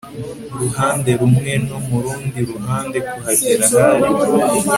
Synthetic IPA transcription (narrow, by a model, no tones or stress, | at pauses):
ɾuhaːnde̞ɾumŋe̞nomuɾuːndiɾuɦaːnde̞kuhaɟiɾahaɾi